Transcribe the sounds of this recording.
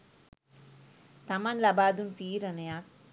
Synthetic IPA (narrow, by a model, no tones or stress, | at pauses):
t̪ɐmɐnlɐbaːd̪unt̪iːɾɐnjaːk